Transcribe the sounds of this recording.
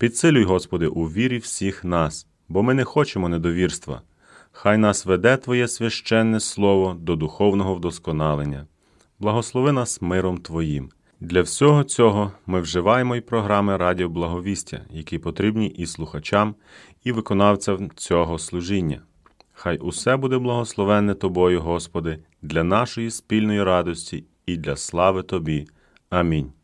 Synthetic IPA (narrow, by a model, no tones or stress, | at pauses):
pʲid̪sɪlʲʊjɦɔspɔd̪ɪʔuʋʲiɾʲiwsʲixnɑs | bɔmɪnɛxɔt͡ʃemɔned̪ɔʋʲirst̪ʋɐ̰ | xɑjn̪ɑsʋed̪ɛt̪ʋɔjɛsʲʋʲɐʃt͡ʃɛnːɛslˠɔʋɔd̪ɔd̪ʊxɔwnɔɦɔwd̪ɔskɔnɑlˠenʲːɐ | blˠɐɦɔslˠɔʋɪnɑsmɪɾɔmt̪ʋɔjim | d̪lʲɐwsʲɔɦɔt͡sʲɔɦɔmɪwʒɪʋɑjemɔipɾɔɦɾɑmɪɾɑdʲiɔblˠɐɦɔʋʲisʲtʲɐ̰jɐkʲipɔt̪ɾʲibnʲiʔislˠʊxɐt͡ʃɑm | iʋɪkɔnɑwt͡sʲɐwt͡sʲɔɦɔslˠʊʒinʲːɐ̰ | xɑjʔʊsɛbud̪ɛblˠɐɦɔslˠɔʋɛnɛt̪ɔbɔjʊɦɔspɔd̪ɪ | d̪lʲɐnɑʃɔjispʲilʲnɔjiɾɑd̪ɔsʲtʲiː | d̪lʲɐslˠɑʋɪt̪ɔbʲi | ɐmʲinʲ